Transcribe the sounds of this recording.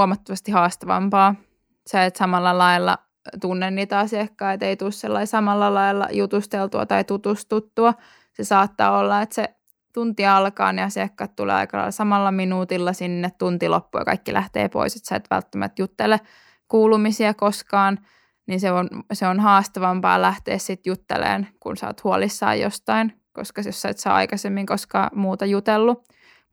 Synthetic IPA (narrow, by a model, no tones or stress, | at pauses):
uomɑt̪ːoʋɑst̪ihɑːst̪ɑʋɑ̰mpɑː | sɑet̪sɑmɑlːɑlɑilːɑ̰ | t̪unːenːiːt̪æɑsiekːɑːet̪eit̪ulsselːɑisɑmɑlːɑlɑilːɑ̰jut̪ust̪elt̪uɑ̰t̪ɑit̪ut̪ust̪ut̪ːuɑ | sesɑːt̪ːɑ̰ːolːɑet̪se | t̪unt̪iɑlkɑ̰ːniɑsiɑkːɑt̪t̪ulḛːɑ̰ikɑlɑ̰ilsɑmɑlːɑminuːt̪ilːɑsinːet̪t̪unt̪ilo̰pːuɑ̰kɑ̰ikːilʔæht̪ḛːpo̰iset̪sɑet̪ʋæ̰lt̪ːæmæ̰t̪jut̪ːelːe | kuːlumisiɑkoskɑːn | ninseonseonhɑːst̪ɑʋɑmpɑ̰ːlæht̪ḛːssit̪jut̪ːḛlḛːnkṵnsɑ̰ːt̪huolisːɑ̰ːjo̰st̪ɑin | ko̰skɑsosːɑit̪sɑ̰ːɑ̰ikɑsemːiŋkoskɑ̰ːmuːt̪ɑjut̪elːu